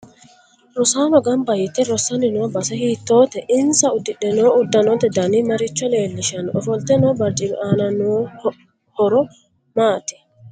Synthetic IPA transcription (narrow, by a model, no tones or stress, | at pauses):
ɾɔsaːnɔɡɐmbɐjɪt̪ːɛɾɔsːɐnɪnoːbɐsɛhiːt̪ːoːt̪ɛʔɪnsɐʊd̪ːɪᶑɛnoːʊd̪ːɐnɔnt̪ːɛd̪ɐnimɐɾɪt͡ʃːɔle̞ːlːɪʃɐnɔfɔlt̪ːɛnɔːbɐɾt͡ʃʼɪbʔaːnɐnoː | hɔɾɔ | maːt̪ɪ̥